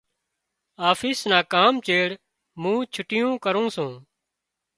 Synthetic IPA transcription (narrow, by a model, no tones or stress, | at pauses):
aːfʰiːsnaːkaːmt͡ʃeːɽ | mũːt͡ʃʰʊʈɪjõːkəɾõːsũː